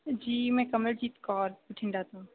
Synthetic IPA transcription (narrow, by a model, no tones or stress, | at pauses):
d͡ʒiːmɛ̃ːkɐməld͡ʒiːt̪kɔːɾbɪʈʰɪ̃ɳɖaːt̪aɦũ